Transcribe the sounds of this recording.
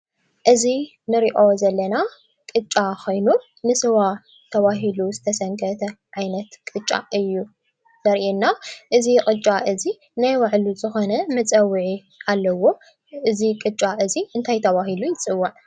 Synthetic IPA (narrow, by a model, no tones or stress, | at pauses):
ʔɨzi | nɨɾiʔo̞zɐlːɐna | kʼɨt͡ʃʼːakʰo̞jnu | nɨsɨwa | t̪ʰɐβaɦiluzɨt̪ʰɐsɐŋkʰɐt̪ʰɐʕajnɐt̪kʼɨt͡ʃʼːa̰ʔɨjːu | zɐɾʔinːaʔɨzikʼɨt͡ʃʼːaʔɨzi | najwaʕluzɨxo̞nɐmɨt͡sʼɐwːiʕi | alːɐwo̞ | ʔɨzikʼɨt͡ʃʼaʔɨziɨnt̪ʰajt̪ʰɐβahilujɪt͡sʼɨwːaʕ